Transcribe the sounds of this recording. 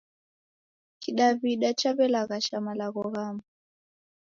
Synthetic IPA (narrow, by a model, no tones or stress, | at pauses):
kiɗaβiɗat͡ʃaβɛlaɣaʃamalaɣɔɣama